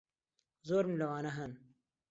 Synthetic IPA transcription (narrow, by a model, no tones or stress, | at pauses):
zoːɾmilɐwaːnɐɦɐn